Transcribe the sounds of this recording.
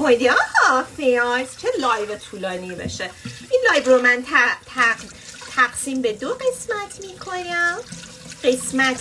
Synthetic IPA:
mod̪iɒːhɒfeɑjst͡ʃʰelɒːjvet̪ʰuːlɒːnibḛʃeʔinlɒːjbɾomænt̪ʰt̪ʰ | t̪ʰæɡsiːmbed̪oɢe̞smæt̪ʰmiːkʰonæm | ɢe̞smæt̪ʰ

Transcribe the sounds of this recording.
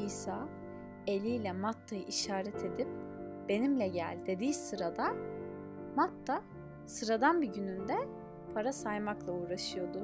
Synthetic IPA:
iːsaː | e̞lʲijlʲɛmat̪ʰːajɯʔiʃaːɾɛt̪ʰe̞d̪ip̚b̥e̞nimlʲɛɟæ̰lʲd̪e̞d̪iːsɯɾad̪a | mat̪ʰːa | sɯɾad̪anbiɟynynd̪ɛ | pʰaɾasajmaklˠauːɾaʃɯjo̞d̪ʊ

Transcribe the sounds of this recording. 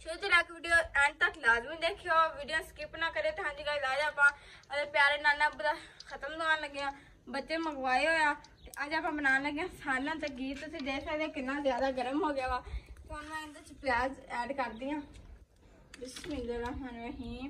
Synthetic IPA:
t͡ʃʊoːt͡ʃelakʋiːɖijoːɛ̃ːɳʈ̚t̪əklaːzmĩd̪eːkʰijoːʋiːɖijõːskɪːpnaːkəɾeːt̪ʊɦãːnd͡ʒiːlaːlaːd͡ʒaːpãː | əd̪əɾpjaːɾeːnaːlãːbəd̪aːkʰət̪əmd̪əaːnləɡejãː | bət͡ʃeːməɡʋaːiːɦoːjaː | t̪eʔəd͡ʒaːpãːbənaːnləɡjãːsaːlãːt̪ək̚ɡiːt̪ʊt̪ʰeːd̪eːkʰaːd̪aːkɪnːãːzjaːd̪aːɡəɾəmɦoːɡɪjaːʋaːt̪oʊnãːɪ̃nd̪ət͡ʃpjaːzɛːɖkəɾd̪iːãː | bɪsmɪ̃nd̪əɾaːɦanːɦiː

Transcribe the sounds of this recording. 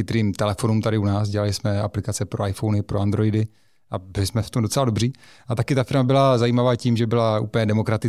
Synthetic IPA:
xɪt̪ɾiːmt̪ɛlɛfo̞nuːmt̪aɾɪunaːsɟɛlalɪsmɛaplɪkat͡sɛpɾo̞ajfownɪpɾoand̪ɾo̞jdɪ | ʔabɪlɪsmɛft̪o̞mdo̞t͡sɛladobriːʔat̪akɪt̪afɪɾmabɪlazajiːmavaːciːmʒɛbɪlaʔṵːpəɲɛdɛmo̞kɾat̪ɪ

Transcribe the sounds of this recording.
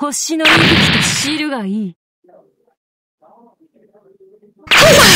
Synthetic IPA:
hoɕinoɾʲiɾikʲi̥t̪oɕiɾɯ̟ɡaiː

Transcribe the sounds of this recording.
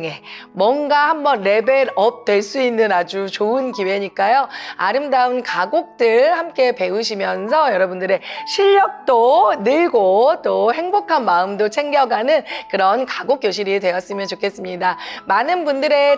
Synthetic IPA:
e̞mwʌnɡahambʌnɾe̞be̞ɾʌp̚t͈we̞ɭs͈uinːɯnad͡ʑut͡ɕoɯnkiwe̞ɲik͈ajoaɾɯmdaɯnkaɡok̚t͈ɯɭhamk͈e̞pe̞uɕ̬ʰimjʌnsʰʌjʌɾʌbundɯɾe̞ɕʰiʎːʌk̚t͈onɯɭɡot͈ohe̞ŋbokʰanmaɯmdot͡ɕʰe̞ŋɡjʌɡanɯnkɯɾʌnkaɡok͈̚joɕʰiɾidwe̞ʌs͈ɯmjʌnt͡ɕokʰe̞s͈ɯmɲidamanɯnbundɯɾe̞

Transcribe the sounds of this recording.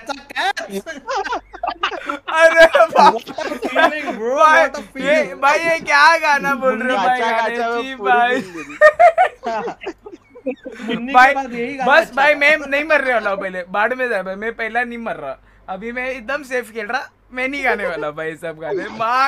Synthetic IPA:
ɐɾebʱa | bʱaːijebʱaːiekjaːɡaːnaboːlɾebʱaːɡaːẽd͡ʒibʱaːi | bʱaːibɐsbʱaːimɛ̃nɐɦĩmɐɾːeʋaːlaopɐɦlebaːɽmẽd͡ʒaːbʱaimɛ̃pɐɦlanɐĩmɐɾːa̰ː | ɐbʱimɛ̃ɪd̪əmseːpʰkeːlɾa | mɛ̃nĩɡaːneʋaːlabʱaːiesɐb̚ɡaːt̪ẽma

